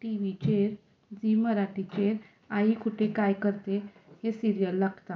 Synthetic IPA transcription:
ʈiʋit͡ɕeɾ | d͡ʑiməɾaʈit͡ɕeɾ | aikʰuʈekajkəɾt̪ehesiɾijəlːaɡt̪a

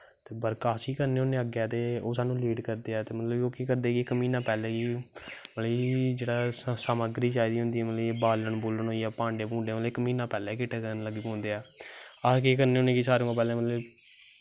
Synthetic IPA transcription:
t̪eːbəɾkaːsiːkəɾneːoːneːəɡɛːt̪eːoːsaːnũːliːɖkəɾd̪eːɛːt̪eːmət̪ləboːkeːkəɾd̪eːkiɪkmiːnãːpɛːlɛːkiːməid͡ʒeːɽaːsaːməɡɾiːt͡ʃaːid̪iːɦʊ̃nd̪iːɛːmət̪libaːləɳboːləɳɦoːiːɛːpãːɳɖeːbũːɳɖeːʋaːlɪkmĩːnãːpɛːlɛːkɪʈeːkəɾnləɡiːkõːnd̪eːɛːakeːkəɾneːɦoːnẽːkiːsaːɾeũãpɛːlɛ̃ːmət̪lə

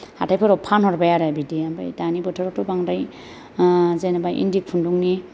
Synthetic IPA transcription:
ha̰tʰajpʰɯɾɔpʰanɦɔɾbajaɾabidiamba̰jdanibɔtʰɔɾɔtɔbaŋɾaj | zenabajʔḭndik̚pʰunduŋni

